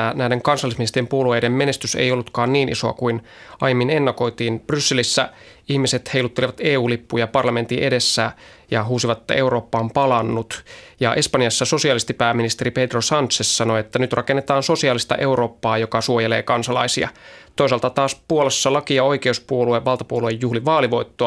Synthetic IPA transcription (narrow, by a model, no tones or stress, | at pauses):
næjdeŋkɑnsɑlːˑisminist̪eijempuoluejdemme̞ne̞st̪ysḛjo̞lːut̪kɑːnniːnʔḭsoɑ̰kuin | ʔɑjemːinenːɑko̞jt̪iːnb̥rysːelisːæ | ihmise̞t̪he̞ilut̪ːeliʋɑt̪e̞ːuːlipːujɑpɑrlɑme̞nt̪iʔe̞de̞sːæ | jɑɦuːsiʋɑt̪ːe̞wɾo̞ːpːɑompɑlɑnːut̪jɑʔe̞spɑnjɑsːɑso̞siɑlist̪ipæːmːinist̪eɾiped̪rosɑnt̪sesːɑno̞et̪ːænyt̪rʔɑkenːet̪ɑːnsosiɑːlist̪ɑ̰ʔe̞uɾo̞ːpːɑːjokɑsuojele̞ːkɑnsɑlɑ̰isiɑ̰t̪o̞isɑlt̪ɑt̪ɑːsppuolesːɑlɑkiɑo̞jke̞uspuolueʋʋɑlt̪ɑpuoluejːuhliʋɑːliʋo̞it̪ːoɑ